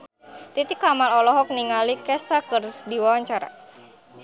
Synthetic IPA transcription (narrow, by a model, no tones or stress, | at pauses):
t̪it̪ikamalɔlɔɦɔk̚niŋalikɛsakɨrdiwawaɲt͡ʃaɾa̰